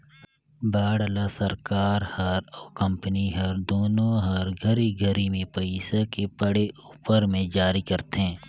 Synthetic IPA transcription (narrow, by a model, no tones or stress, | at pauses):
baːɽlasəɾkaːɾhɐɾɔːkə̃mpəniɦɐɾd̪oːnõɦɐɾɡʱəɾiɡʱəɾimẽpəɪsekepəɽeʔuːpəɾmẽd͡ʒaːɾikɐɾt̪eɦɛ̃ː